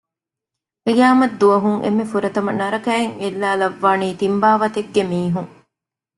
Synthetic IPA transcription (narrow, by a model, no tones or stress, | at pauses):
kijaːmɐd̪ːuʋɐɦuŋʔḛmːefuɾɐt̪ɐmɐnɐɾɐkæːeŋelːaːlɐʋːaːniːt̪imbaːʋɐt̪eɡːemiːɦuŋ